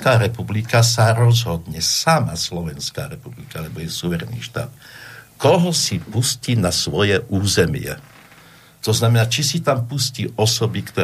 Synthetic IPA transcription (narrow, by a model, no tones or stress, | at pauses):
kaːɾɛpublikasaɾɔzɦɔd̪ɲɛsamaslɔʋɛnska̰ːɾɛpublikaalɛbɔjɛsuʋɛɾɛnḭːʃt̪a̰ːt̪kɔɦɔsipusciːnasʋɔjɛʔuːzɛmɪɛ̰ | t̪ɔznamɛnaːt͡ʃisit̪ampusciːʔɔsɔbikt̪ɔ